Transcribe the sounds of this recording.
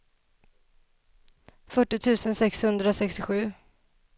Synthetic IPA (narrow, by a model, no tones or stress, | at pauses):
fœʈːɪt̪ʰʉ̟ːsənsɛkshɵnd̪ɾasɛkst̪ɪɧʉ̟ː